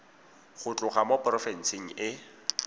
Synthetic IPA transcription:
χʊt͡ɬʼʊχamopʼrɔfɛn̩sɪŋ̩ɪ

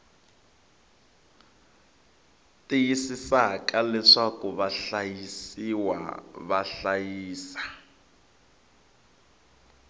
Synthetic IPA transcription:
tʼijisisakalɛʂakuβaɬajisiwa̰βaɬajiːsḁ

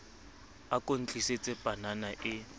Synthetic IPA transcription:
akʼon̩t͡ɬʼiset͡sʼɛpʼananaʔɪ

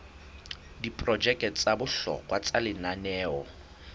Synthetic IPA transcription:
dipʼrɔd͡ʒɛkt͡sabʊɬɔ̰kʼwat͡sʼalɪnanɛːɔ

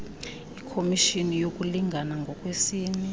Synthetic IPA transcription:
ikʰomiʃinijokʼuliŋɡʱanaŋɡʱɔkʼwesiːni

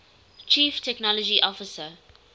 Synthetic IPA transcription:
t͡ʃʰiːftʰɛknɔlɔd͡ʒiʔɔfɪsə

